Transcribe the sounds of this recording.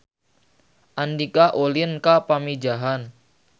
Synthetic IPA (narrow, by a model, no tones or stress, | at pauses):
ʔandikaʔolɪnkapami̥d͡ʒaɦan